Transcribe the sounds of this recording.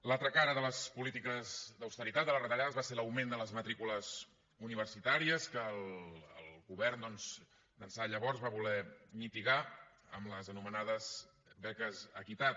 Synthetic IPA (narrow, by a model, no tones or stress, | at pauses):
lalˠt̪ɾəkaɾəðələspulit̪ikəzd̪əwst̪əɾit̪at̪̚d̪ələrət̪əʎaðəzβaseləwmend̪ələzmət̪ɾikuləz | uniβ̞ərsit̪aɾiəskələlˠɣuβɛrnd̪ɔnz | d̪ənsaʎəβɔrzβaβulɛmit̪iɣa | ə̰mləzənumənaðəz | bɛkəzəkit̪at̪